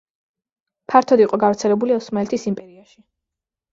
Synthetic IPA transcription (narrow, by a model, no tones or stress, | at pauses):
pʰaɾt̪ʰɔd̪iqʼɔɡavɾt̪sʰɛlɛbuliɔsmaɛlt̪ʰisimpʼɛɾiaʃi